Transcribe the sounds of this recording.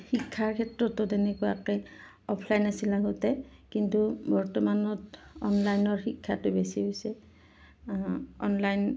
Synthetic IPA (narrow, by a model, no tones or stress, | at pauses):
xikʰːaɹkʰɛtɹɔtʊtɛnɛkuja̰kɛ | ɔpʰlajnasilaɡɔtɛkintubɔɹtɔmanɔtɔnlajnɔɹxikʰːatʊbesiɦojsɛ | ɔnlajn